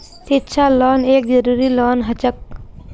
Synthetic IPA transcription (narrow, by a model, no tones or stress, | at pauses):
sitːt͡ʃʰaːloːneːkzɐɾuːɾiloːnɦɐt͡ʃək̚